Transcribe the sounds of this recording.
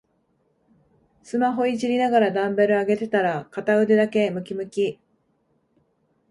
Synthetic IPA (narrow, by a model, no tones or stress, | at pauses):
sɨmaɦo̞id͡ʑiɾʲinaɡaɾad̪ãmbe̞ɾɯ̟aɡe̞t̪e̞t̪aɾakat̪aɯ̟d̪e̞d̪ake̞mɯ̟kʲimɯ̟kʲi